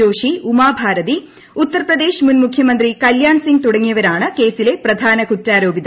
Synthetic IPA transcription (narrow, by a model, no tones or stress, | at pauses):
oːʂiumaːbʱaːɾɐt̪i | ut̪ːɐɾɐpɾɐd̪e̞ːʃmunmukʰjɐmɐnd̪ɾikɐljaːɳsiŋɡ̚t̪uɽɐŋːijɐʋɐɾaːɳɨke̞ːsilepɾɐd̪ʱaːnɐkutːaːɾoːbid̪ɐ